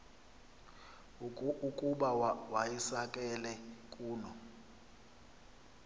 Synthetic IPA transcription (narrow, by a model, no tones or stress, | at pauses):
ukʼuɓawajisakʼɛlɛkʼuːlɔ